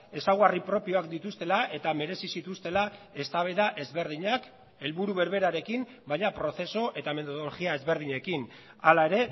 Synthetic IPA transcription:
e̞sawɣaripɾo̞pio̞ak̚d̪it̪ust̪e̞laʔe̞t̪ame̞ɾe̞sisit̪ust̪e̞lae̞st̪aβ̞eðaʔe̞zβe̞ɾð̞iɲak | e̞lβuɾuβe̞ɾβe̞ɾaɾe̞kim | bajɲapɾo̞θe̞so̞ʔe̞t̪ame̞t̪oðoloɣiae̞zβe̞ɾð̞iɲe̞kin | alae̞ɾe̞

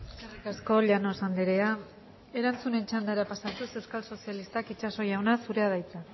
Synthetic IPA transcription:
eskarikasko̞ʎano̞sand̪eɾe̞a | e̞ɾant͡sune̞nt͡ʃand̪aeɾapasat̪use̞wskalso̞sialist̪akit͡ʃaso̞jawnasuɾe̞að̞ajt͡sa

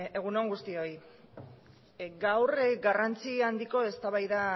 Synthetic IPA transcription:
e̞ɣ̞unoŋɡust̪io̞j | ɡawrɡarant͡siand̪iko̞e̞st̪aβajða

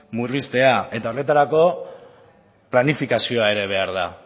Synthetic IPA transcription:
murist̪e̞ae̞t̪ao̞re̞t̪aɾako̞ | planifikasio̞ae̞ɾe̞β̞e̞aɾða̰

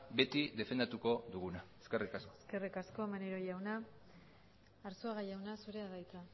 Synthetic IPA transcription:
be̞t̪iðe̞fe̞nd̪at̪uko̞d̪uɣunaeskerikaskoeske̞rikasko̞maneɾojawna | ɾsoaɣajawnasuɾe̞aðajt͡sa

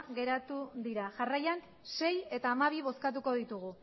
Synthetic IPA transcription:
ɣe̞ɾat̪uðiɾaʝarajan | se̞je̞t̪aːmaβ̞iβ̞o̞skat̪̬uko̞ðit̪uɣ̞u

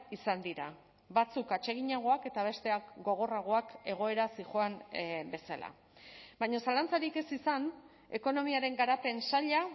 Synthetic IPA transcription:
isand̪iɾa | βat͡sukat͡ʃe̞ɣ̞iɲaɣ̞o̞ake̞t̪aβ̞e̞st̪e̞akɡo̞ɣ̞o̞raɣ̞o̞ake̞ɣ̞o̞e̞ɾasiʝo̞ambe̞sala̰ | bajɲosalant͡saɾike̞sisan | e̞ko̞no̞miaɾe̞ŋɡaɾape̞nsaʎa

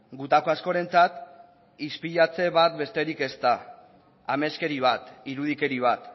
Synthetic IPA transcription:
ɡut̪ako̞asko̞ɾe̞nt͡sat̪ | ispiʎat͡se̞βat̪̚be̞st̪e̞ɾike̞st̪a | ame̞ske̞ɾiβ̞at̪iɾuð̞ike̞ɾiβ̞at̪

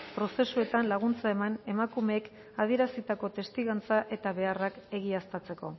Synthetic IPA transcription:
pɾo̞se̞sue̞t̪anlaɣ̞unt͡sae̞mane̞makume̞ːk | að̞ie̞ɾasit̪ako̞t̪e̞st̪iɣant͡saʔe̞t̪aβe̞arake̞ɣiast̪at͡se̞ko̞

